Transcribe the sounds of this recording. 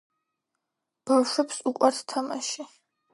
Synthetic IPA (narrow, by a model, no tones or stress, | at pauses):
b̥awʃwɛpsuqʼwaɾt̪ʰt̪ʰama̰ʃi